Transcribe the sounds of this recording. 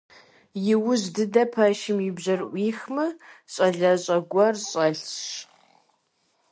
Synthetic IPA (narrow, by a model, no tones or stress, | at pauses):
jɪwʊzdɨdɐpʰɐʃɪmjɪbʑɐrʔʷiːxmɨɕʼɐɮɐɕʼɐɡʷɐrɕʼɐɬɕ